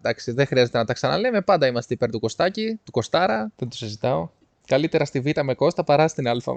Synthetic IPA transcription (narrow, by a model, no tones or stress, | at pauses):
d̪ɐksiðexɾiɐze̞t̪e̞nɐt̪ɐksɐnɐ̰le̞me̞pɐnd̪ɐimɐst̪eipe̞ɾt̪uko̞st̪ɐcit̪uko̞st̪ɐɾɐðent̪u̥sizit̪ɐo̞ | kɐlit̪e̞ɾɐst̪ivit̪ɐme̞ko̞st̪ɐpɐɾɐst̪inɐlfɐ̰